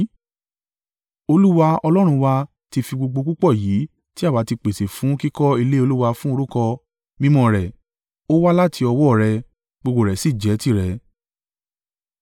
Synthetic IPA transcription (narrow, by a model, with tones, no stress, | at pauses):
o˧lu˦wa˧ɔ˧lɔ˦ɾ̃ũ˧wa˧ | ti˧fi˧ɡ͡bo˧ɡ͡bo˧ku˦k͡pɔ˦˨jiː˨˦ | ti˦a˦˨wa˨˦ti˧k͡pe˨se˨fũ˨˦ki˦kɔ˦i˧le˦o˧lu˦wa˧fũ˦o˧ɾu˦kɔ˧ | mĩ˦mɔ̃˨ɾɛ˨ | o˦wa˦la˦ti˧ɔ˧wɔ˦˨ɾɛ˧ | ɡ͡bo˧ɡ͡bo˧˨ɾɛ˨si˦˨d͡ʒɛ˨˦ti˦˨ɾɛ˨˦